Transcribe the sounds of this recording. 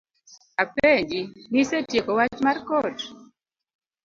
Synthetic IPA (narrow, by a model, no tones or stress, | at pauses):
apeɲd͡ʒinisetjekɔwat͡ʃmarkɔt